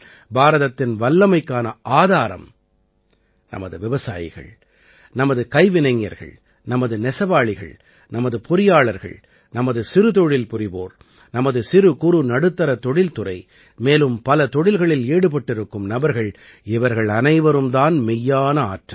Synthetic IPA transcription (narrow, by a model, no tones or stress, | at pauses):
bʱaːɾɐðɐt̪ːɪnʋɐlːɐmɐɪkːaːnɐʔaːðaːɾɐ̰m | nɐ̰mɐ̰ðɯʋɪʋɐsa̰ːjɪ̰ɣɐ̰ɭ | nɐmɐðɯkɐɪʋɪnɐɪŋːjɐ̰ɾɣɐ̰ɭ | nɐmɐðɯnɛsɐʋaːɭɪɣɐ̰ɭ | nɐmɐðɯpʊɾɪjaːɭɐɾɣɐ̰ɭ | nɐmɐðɯsɪɾɯt̪ɔɻɪlpʊɾɪʋo̰ːɾ | nɐmɐðɯsɪɾɯkʊɾunɐɽɯt̪ːɐɾɐt̪ɔɽɪlt̪ʊɾɐ̰ɪ | meːlɯmpɐlɐt̪ɔɽɪlɣɐɭɪleːɽɯp̬ɐʈːɪɾɯkːɯmnɐbɐɾɣɐɭ | ɪʋɐɾɣɐɭɐnɐɪʋɐɾɯmd̪aːnmɪjːaːnɐa̰ːʈrɐ